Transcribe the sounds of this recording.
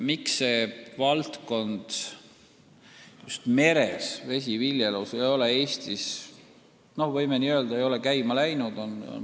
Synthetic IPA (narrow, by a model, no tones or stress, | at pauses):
miksːe̞ːvɑlt̪ko̞nd̪̥ | just̪me̞ɾesve̞s̬ʲivilʲjelowsejo̞lee̞ːsʲt̪is | no̞hvɤjmeniøld̪̥ɑejo̞lekæjmɑlæjnud̪o̞no̰n